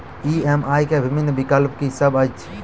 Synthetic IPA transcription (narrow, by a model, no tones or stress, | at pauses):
iemajkebʱibʱinbikəlp̚kisəbəjt͡ʃʰ